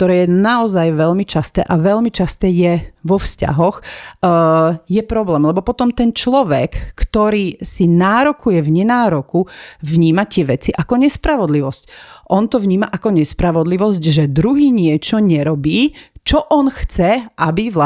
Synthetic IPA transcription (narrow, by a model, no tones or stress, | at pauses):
kt̪ɔɾɛːjɛnaɔzajʋɛʎmit͡ʃast̪ɛ̰ːʔaʋɛʎmit͡ʃast̪ɛːjɛʋɔfsca̰ɦɔx | jɛpɾɔblɛːmlɛbɔpɔt̪ɔmt̪ɛnt͡ʃlɔʋɛkːt̪ɔɾiːsinaːɾɔkujɛʋɲɛnaːɾɔkuʋɲiːmat̪ɪɛʋɛt͡siʔakɔɲɛspɾaʋɔd̪liʋɔscʔɔnt̪ɔʋɲiːmaʔakɔɲɛspɾaʋɔd̪liʋɔzcʒɛd̪ɾuɦiːɲɪɛt͡ʃɔɲɛɾɔbiːt͡ʃɔʔɔnxt͡sɛʔabiʋla